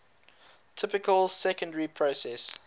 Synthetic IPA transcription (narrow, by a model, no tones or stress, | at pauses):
tʰɪpɪkəlˠsɛkə̃ndəɹipʰɹosɛs